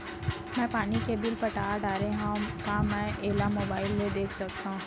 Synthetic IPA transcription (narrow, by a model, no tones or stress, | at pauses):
mɛ̃ːpaːnikebɪlpɐʈaːɾɖaːɾẽɦãũkamɛ̃ːʔeːlamoːbaːɪlːed̪eːkʰsɐk̚t̪aɦũː